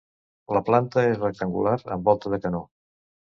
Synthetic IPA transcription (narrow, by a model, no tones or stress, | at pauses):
ləplant̪əezrək̚t̪əŋɡulaɾə̰mbɔlˠt̪əðəkəno